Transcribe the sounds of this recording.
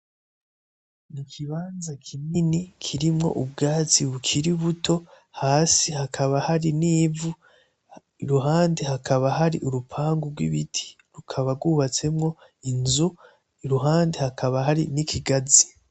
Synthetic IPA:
nikʰiβaːnzakʰininikʰiɾimŋo̞̰ʔub̚ɡaːt͡siβukʰiɾiβuto̞ | haːsihakʰaβahaɾiniːvu | iɾuɦaːndehakʰaβaɦaɾiʔuɾupʰaːŋɡuɾɡwḭβitʰi̥ | ɾukʰaβaɾɡuːβat͡se̞mŋo̞ | inzu | iɾuɦaːndehakaβahaɾḭnikʰiɡazi̥

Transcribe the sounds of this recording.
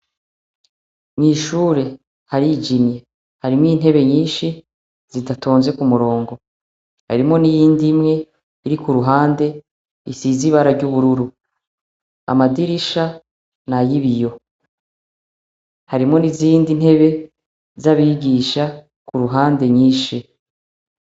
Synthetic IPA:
miːʃuːɾe̞ | haɾid͡ʒimje | haɾimwiːn̥ɦe̞βe̞ɲiːnʃi | z̥idato̞ːnze̞kumuɾo̞ːŋɡo̞ | haɾimŋo̞nijiːndimŋe̞ | iɾikuɾuɦaːnde̞ | isiziβaɾaɾɟuβuɾuɾu | a̰madiɾiʃa | najiβijo̞ | haɾimŋo̞niziːndin̥he̞βe̞ | zaβiɡiːʃa | kuɾuɦaːnde̞ɲiːʃi

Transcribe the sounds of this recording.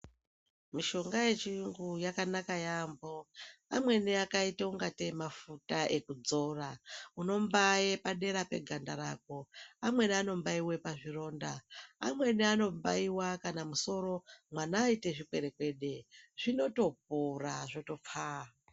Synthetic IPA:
miʃo̞ŋɡaje̞t͡ʃiuŋɡujakanakajambo̞amwe̞niakaiteuŋɡate̞mafutaʔe̞kud͡zo̞rauno̞mbajepaɗe̞ɾape̞̰ɡʱandaɾak̚o̞amwe̞niano̞mbaiwe̞paʐiro̞ːndaa̰mwe̞niano̞mbaiwakanamuso̞ɾo̞mwanaːite̞ʐikwe̞ɾe̞kwe̞ɗe̞ʐ̥ino̞to̞p̚uraʐo̞to̞p͡fa

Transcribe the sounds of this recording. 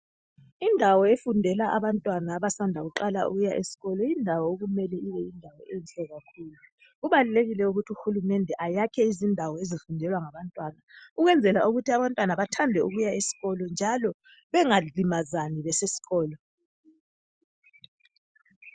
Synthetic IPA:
indʱawɔefundʱɛlaʔaβantʼwanaːβasandʱaɣuǃala̰ʔṵɣujaʔesi̥ɣɔlɔjindʱawɔoɣumɛlɛiβɛindʱawɔʔenɬɛɣakʰuːlu | ɣuβaluleɣilɛuɣutʰiuxulumɛndʱɛʔajakʰɛizindʱawɔezifundʱɛlwaŋaβantʼwanauɣwɛnd͡zʱɛla̰ʔuɣutʰiaβantʼwanaβatʰandʱɛuɣujaesi̥ɣɔlɔnd͡ʒʱalɔ | βɛŋalimazaniβɛsesi̥ɣɔːlɔ

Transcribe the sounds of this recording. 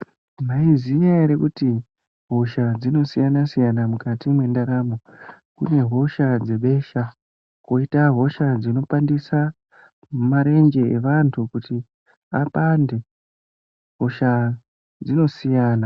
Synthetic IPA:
maizijaiɾekuti | ɦo̞ʃad͡zino̞sijanasijanamukatimwe̞ndaɾaːmo | kṵne̞ɦo̞ʃad͡ze̞ɓe̞ʃa | ko̞itaɦo̞ʃad͡zino̞pandisa | maɾe̞ŋɡe̞ḛʋantʰukuti | apande̞ | ɦo̞ʃa | d͡zino̞sijaːna

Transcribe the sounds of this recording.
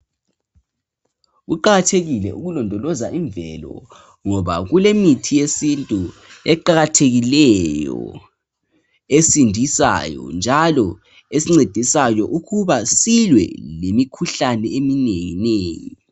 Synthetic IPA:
ɣuǃaɣatʰeɣilɛʔuɣulɔndʱɔlɔzaʔiɱbvɛlɔ̰ | ŋɔβa̰ɣulemitʰijesintʼu | ɛǃaɣatʰeɣilɛjɔ̰ | esindʱisa̰jɔ̰nd͡ʒʱalɔ | esiŋ͡ǀed̥ʱisajɔʔuɣuβasilwɛ̰lemikʰuɬanɛemineŋineːjḭ

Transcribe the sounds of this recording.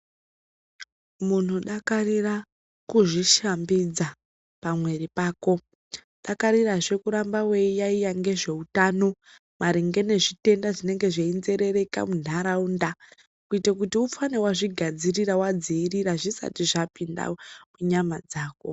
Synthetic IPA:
mun̤uɗakarira | kuʐiʃambid͡za | pamwe̞ripaːko̞ | ɗakaɾiraʐe̞kuɾambawe̞ijaijaŋɡe̞ʐe̞utaːno̞ | maɾiŋɡe̞ne̞ʐite̞ndaʐine̞ŋɡe̞ʐeinze̞ɾe̞ɾe̞ka̰mun̤ʱaɾaunda | kuitakutiufanewaʐiɡʱad͡ziriɾawad͡ziːriɾaʐisa̰tiʐapinda̰muɲamad͡zaːko̞̰

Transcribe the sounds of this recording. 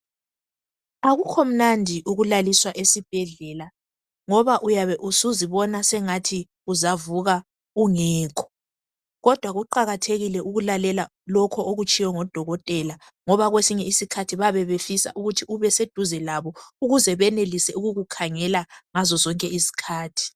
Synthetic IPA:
aɣukʰɔm̩nandʱiʔuɣulaliswaʔesib̥̚ʱɛɮɛla | ŋɔβaʔujaβɛʔusuziβɔnasɛŋatʰi | uzavuɣa | uŋɛːkʰɔ̥ | ɣɔd̥ʱwaɣuǃaɣatʰeɣilɛʔuɣulalɛla | lɔkʰɔʔoɣut͡ʃʼijɔŋɔd̥ʱɔɣɔtʼɛla | ŋɔβaɣwesiɲɛisikʰatʰiβaβɛβefisa̰ʔuɣutʰiuβɛsed̥ʱuzɛlaβɔuɣuzɛβɛnelisɛuɣuɣukʰaŋɛlaŋazɔzɔŋkʼɛisi̥kʰaːtʰi̥

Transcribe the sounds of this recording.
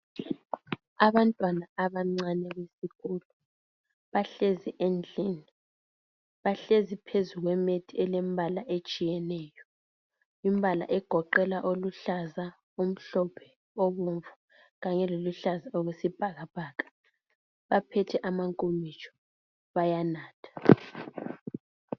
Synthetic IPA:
aβantʼwanaaβaŋ͡ǀanɛβesiɣʰulɔ | βaɬeziʔend͡ɮʱiːni | βaɬezipʰezuɣwɛmetʰiɛlembʱalaʔet͡ʃʼijɛnɛːjɔ | imbʱala̰ʔɛɡ̥ʱɔǃɛlaʔoluɬaza | um̩ɬɔpʰɛ̥ | ɔβoɱvu | ɣaɲɛloluɬazaoɣesib̥ʱaɣab̥ʱaːkʰʼḁ | βapʰɛtʰɛʔamaŋkʼomit͡ʃʼʰɔ̥ | βajanaːtʰḁ

